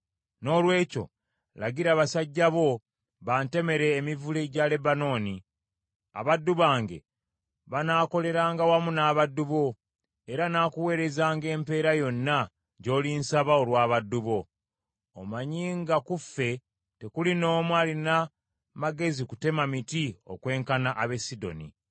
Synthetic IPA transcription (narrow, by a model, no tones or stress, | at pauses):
no̞ːlwe̞ːco̞̰ | la̰ɡiɾaːβasaɟːaβo̞ | βaːnte̞me̞ɾe̞ːmivule̞ɟale̞bano̞ːni | a̰βadːuβaːŋɡe̞̰ | βanaːko̞le̞ɾaːŋɡawamunaːβadːuβo̞ | e̞ɾanaːkuwe̞ːɾe̞zaːŋɡe̞ːmpe̞ːɾajo̞nːa | ɟo̞ːlinsaβaolwaːβadːuβo̞ː | maɲiːŋɡakufe̞ | te̞kulino̞ːmwaːlina | maɡe̞ziku̥te̞mamitio̰kwe̞ːŋkanaʔaβe̞sːido̞̰nḭ